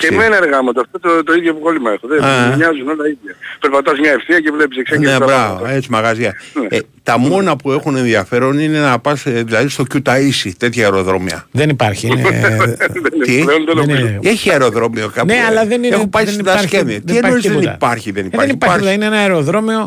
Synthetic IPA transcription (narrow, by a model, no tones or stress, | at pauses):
cemenɐɾɣɐmɐt̪oft̪ot̪ot̪oiðʝopɣo̞limɐexoðeɲɐzuno̞lɐiðʝɐpeɾpɐt̪ɐzmɲɐefθiɐcevlepisekseneebɾɐvoe̞t͡simɐɣɐziɐet̪ɐmo̞nɐpue̞xune̞nðiɐfe̞ɾo̞nine̞nɐpɐsðilɐðist̪o̞cut̪ɐisit̪e̞t̪çɐeɾo̞ðɾo̞miɐ̰ðenipɐɾçin | ðent̪ileonðenomizeçiɐeɾo̞ðɾo̞mio̞kɐpneɐlɐðeniexupɐjot̪ɐsceniienoizðenḭpɐɾçiðe̞nipɐɾeçnipt̪ineenɐeɾoðɾo̞mio